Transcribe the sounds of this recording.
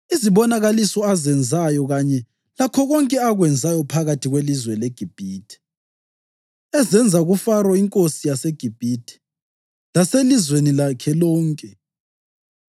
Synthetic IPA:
iziβɔnaɣalisɔazɛnd͡zʱajɔɣaɲɛ | lakʰɔɣɔŋkʼɛaɣwɛnd͡zʱajɔpʰaɣatʰiɣwelizwɛlɛɡ̥ʱib̥ʱiːtʰi̥ | ɛzɛnd͡zʱaɣufarwaiŋkʼosijaseɡ̥ʱib̥ʱitʼʰi̥ | laselizwenilakʰɛlɔːŋkʼɛ

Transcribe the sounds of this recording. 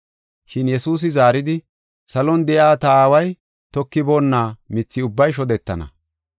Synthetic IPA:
ʃɪnjɛsuːs̬ɪzaːɾɪd̪ɪ | sɐlɔnd̪ɛjaːt̪ɐaːwɐj | t̪ɔkːɪboːnːaːmɪt͡sːɪʊbːɐjʃ̬ɔd̪ɛt̪ːɐ̰nɐ̰

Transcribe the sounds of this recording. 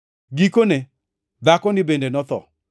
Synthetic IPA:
ɡikone | d̪akɔnɪbendenɔt̪ɔ̰

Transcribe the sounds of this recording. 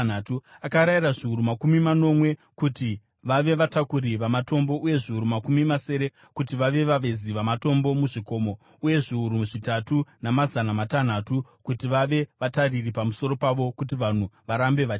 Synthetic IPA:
natuakaɾairaʐiuɾumakumimano̞mwe̞ | kuti | ʋaʋe̞ʋatakuɾiʋamato̞mbo̞ʔuje̞ʐiuɾumakumimase̞ɾe̞ | kut̬iʋaʋe̞ʋaʋe̞ziʋamato̞mbo̞muʐiko̞ːmo | uje̞ʐiuɾumuʐitatunamazanamatan̤atukutiʋaʋe̞ʋatariripamuso̞ɾo̞paʋo̞kut̬iʋan̤uʋaɾambe̞ʋa

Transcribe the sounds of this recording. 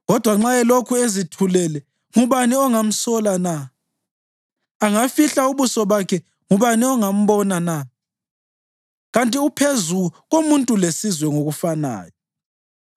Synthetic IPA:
ɣɔd̥ʱwaŋ͡ǁaɛlokʰuezitʰulɛlɛ | ŋuβaniɔŋam̩sɔlana | aŋafiɬauβusɔβakʰɛ | ŋuβaniɔŋam̩βɔnana | ɣantʼiupʰezuɣuɣomuntʼulesizwɛŋoɣufana̰ːjɔ

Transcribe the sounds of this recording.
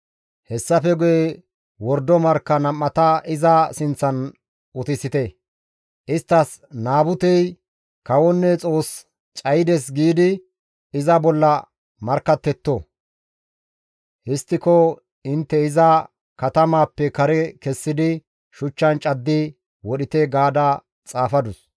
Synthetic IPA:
hɛsːɐfɛɡʊjɛ | wɔɾd̪ɔmɐɾkːɐnɐmːɐt̪ɐʔɪzɐsɪnt͡sːɐn | ʊt̪ɪsɪt̪ɛ | ʔɪst̪ːɐs | naːbʊt̪ɛj | kɐwɔnːɛt͡sʼo̞ːs | t͡ʃʼɐjd̪ɛs̬ɡiːd̪ɪ | ɪzɐbɔlːɐ | mɐɾkːɐt̪ːɛt̪ːo | hɪst̪ːɪkɔ | ɪnt̪ːɛɪzɐ | kɐt̪ɐmaːpːɛkɐɾɛkɛsːɪd̪ɪ | ʃʊt͡ʃːɐnt͡ʃʼɐd̪ːɪ | wɔɗɪt̪ɛɡaːd̪ɐ | t͡sʼaːfɐd̪ʊs

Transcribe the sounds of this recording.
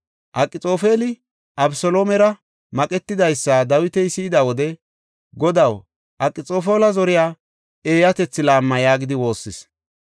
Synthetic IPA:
ʔɐkʼːɪt͡sʼo̞ːfeːlɪ | ʔɐbsɔlo̞ːmɛɾɐ | mɐkʼɛt̪ːɪd̪ɐjsːad̪ɐwɪt̪ɛjsɪːd̪awɔd̪ɛ | ɡɔd̪ɐw | ʔɐkʼːɪt͡sʼo̞ːfo̞ːlɐzɔɾɪjaː | e̞ːjɐt̪ɛt͡sːɪlaːmːɐjaːɡɪd̪ɪwo̞ːsːɪs

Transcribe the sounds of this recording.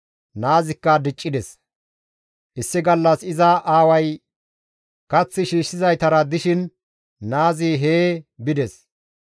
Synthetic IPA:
naːzɪkːɐd̪ɪt͡ʃʼːɪd̪ɛs | ʔɪsːɪɡɐlːɐsɪzɐʔaːwɐj | kɐt͡sːɪʃiːʃːɪzɐjt̪ɐɾɐd̪ɪʃɪn | naːziːɦeːbɪd̪ɛs

